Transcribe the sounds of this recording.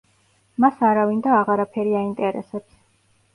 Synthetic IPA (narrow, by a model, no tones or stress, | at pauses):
masaɾavind̪aːʁaɾapʰɛɾiaint̪ʼɛɾɛ̰sɛps